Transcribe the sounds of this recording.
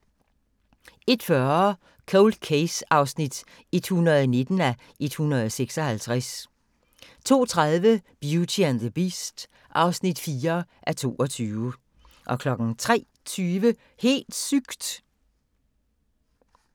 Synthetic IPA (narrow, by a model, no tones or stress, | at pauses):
e̝d̥fɶɐ | kʰoʊld̥kʰesɑ̈ʊsnid̥ | e̝d̥hunʁɐð̞ˠne̝d̥n̩æ | ʔe̝d̥hunʁɐð̞ˠseɡ̥sɒ̽hælt͡sʰʁas | t͡sʰo̝̰ːt͡sʰʁaðˠʋəb̥jut͡sʰiænðəb̥isd̥ | ʔɑ̈ʊsnid̥fiːɐʔæɐt͡sʰo̝̰ːɒ̽t͡sʰyːʊə | ʔɒ̽kʰlɒ̽ɡ̥n̩t͡sʰʁɛ̰ː | t͡sʰyːʋə | he̝̰ːld̥syɡ̥d̥